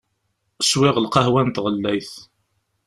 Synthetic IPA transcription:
swɪʁəlqɑhwænt̪ʁəlːæjθ

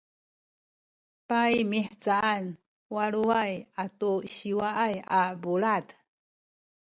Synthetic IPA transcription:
pajmiħt͡saʔan | waɭuajatuɕiwaʔajabuɭat

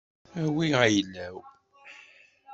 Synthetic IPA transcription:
æwiʁæjlːæw

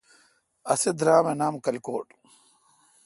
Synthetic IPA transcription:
ɐsed̪ɾaːmenaːmkɐlko̰ːʈ

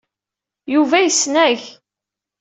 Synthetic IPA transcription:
juvæjəsːnæʝ

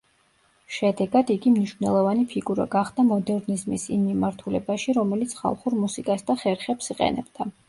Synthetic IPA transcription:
ʃɛd̪ɛɡad̪iɡimniʃvnɛlˠɔvanipʰiɡuɾa̰ɡaχd̪amɔd̪ɛɾnizmisḭmːimaɾt̪ʰulɛbaʃiɾɔmɛlit̪sʰχa̰lˠχuɾmusikʼasd̪aχɛɾχɛpsiqʼɛ̰nɛ̰b̥d̪a

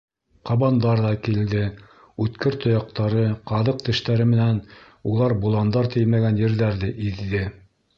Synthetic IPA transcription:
qɑβɑnd̪ɑɾðɑkild̪ɘ | ʉt̪kɘɾt̪ŏjɑq̚t̪ɑɾɤqɑðɤq̚t̪ɘ̆ʃt̪æɾɘmɘ̆næn | ulˠɑɾbulˠɑnd̪ɑɾt̪ɘjmæɡænjɘ̆ɾðæɾðɘʔiðːɘ

